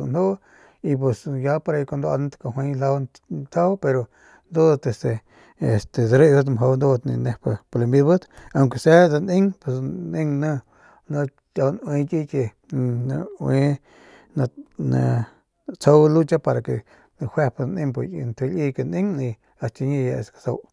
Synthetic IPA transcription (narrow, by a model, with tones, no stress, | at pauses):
u˧no˦ | i˧p̬we˧sja˧˦pa˧ɾa˧ka˧nd̪a̰˧n˦t̪ka˧ɦwʷe˧la˧w | t̪ʰa˦wpe˧ɾo˧ | nd̪o˦t̪e˧st̪e˨ | e˨st̪e˨d̪a˧ɾe˦ʔbɨ˦t̪mɦo˧wnd̪o˦t̪nḭ˧ne˧pa˧pa˧la˧mbi˧d̪bɨ˦d̪a˧˨ŋke˧se˦da˧nĩ˦ŋpe˧snĩ˦˧ŋnə̃˧ | nõ˧ | a˧wnwẽ˧kʲi˦ke˧ | a˧we˧ | na˧na˧ | t͡so˦wlu˦t͡ʃa˦pa˧ɾa˧ke˧ | na˧hʷwe˦˧pa˧nĩ˧ŋp̬u˧˨jnt̪ʰe˧lʲi˧ke˧nĩ˦ŋnĩ˧ | a˧t͡ʃi˧ɲi˧ja˧ḛ˧skḁ˧so̰˧w